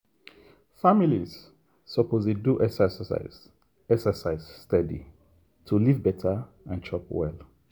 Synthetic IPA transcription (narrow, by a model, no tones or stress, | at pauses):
familiz̥ | sɔpʰozleduʔɛsɛsəsa̰ɪz | ɛksəsaɪz̥stɛdḭ | tʰulivbɛtʰa | ãnt͡ʃʰɔpwɛ̰l